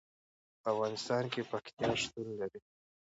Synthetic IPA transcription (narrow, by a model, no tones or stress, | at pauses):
pafɣɑnɪst̪ɑnkepakt̪jɑʂt̪unlaɾi